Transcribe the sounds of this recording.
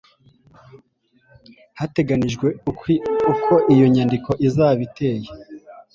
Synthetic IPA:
hate̞ɡaniʒɡwe̞ | ukʰo̞ʔijo̞ɲandiko̞ʔizaːβite̞ːje

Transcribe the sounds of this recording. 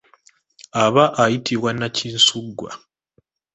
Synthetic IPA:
aβaʔajitiβwanːaciːnsuɡːwa̰

